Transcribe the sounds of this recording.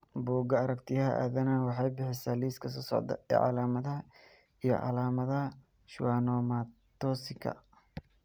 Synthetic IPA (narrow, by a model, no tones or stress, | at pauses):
buːɡɐɐɾɐkt̪ʰɪjɐɦɐ̰ʔa̰ːðɐnaːnwɑħɑjbɪħɪsaːliːskʰɐsɔːsɔ̰ʕd̪ɐ̰ɛ̰ːʕɑ̰laːmɐðɐɦɐ | ijɞ̰ʕɑ̰laːmɐðɐɐ | ʃwaːnɔːmat̪ɔːsɪkʰɐ̰